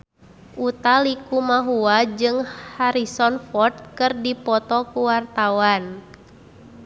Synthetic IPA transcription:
ʔut̪alikumaɦuad͡ʒɨŋhaɾisɔnfɔrt̪̚kɨrdipɔt̪ɔkuwart̪awan

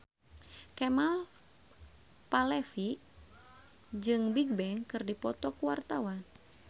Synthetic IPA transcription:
kɛmal | palɛfi | d͡ʒɨŋbiɡ̚bɛŋkɨrdipɔt̪ɔkuwart̪awan

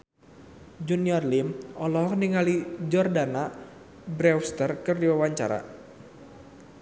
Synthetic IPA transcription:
d͡ʒuniɔrlimɔlɔɦɔkniŋalid͡ʒɔrdana | bɾɛwst̪ərkərdiwawaɲt͡ʃa̰ɾa̰

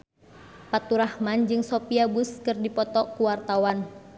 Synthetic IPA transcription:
pat̪uɾahmand͡ʒɨŋsɔpiabuskɨrdipɔt̪ɔkuwart̪awan

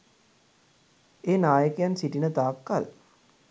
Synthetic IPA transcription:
eːnaːjəkejansiʈinət̪aːkːa̰l

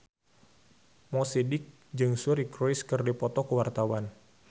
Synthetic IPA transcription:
mɔsidɪk̚ | d͡ʒɨŋsuɾikɾoiskɨrdipɔt̪ɔkəwart̪awan

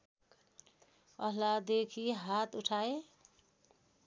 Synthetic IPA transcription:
ʌɦlad̪ekʰiɦat̪uʈʰae

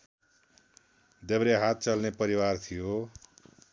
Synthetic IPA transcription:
d̪ebɾeɦat̪̚t͡sʌlnepʌɾiwart̪ʰijo

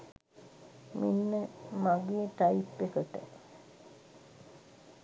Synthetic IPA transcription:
minːəmaɡeːʈajipːekəʈə̰

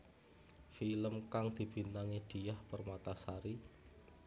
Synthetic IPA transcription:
filəmkaŋd̪̥i̤b̥i̤nt̪aŋiɖ̥i̤jahpərmat̪asaɾi

